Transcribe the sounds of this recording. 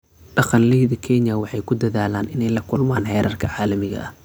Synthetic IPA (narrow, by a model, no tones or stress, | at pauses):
ɖɑqɑnlɛjðɐkʰɛnjɐwɑħɑjkʰʊd̪ɐðaːlaːnɪnɛjlɐkʰʊlmaːnhɛːɾʔɐrkʰɐʕɑːlɐmɪɣɐ̰ʔɐ̰